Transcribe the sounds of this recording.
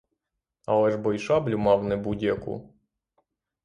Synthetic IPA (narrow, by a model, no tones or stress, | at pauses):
ɑ̰lˠɛʒbɔjʃɑblʲʊmɑwnɛbudʲjɐkṵ